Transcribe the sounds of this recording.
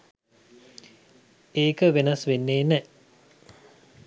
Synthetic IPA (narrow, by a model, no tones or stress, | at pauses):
eːkəʋenɐsʋenːeːnɛ